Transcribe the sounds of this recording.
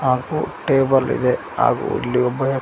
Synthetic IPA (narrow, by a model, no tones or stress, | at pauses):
aːɡuʈeːbɐlḭd̪e | a̰ːɡṵḭlːiobːɐɦe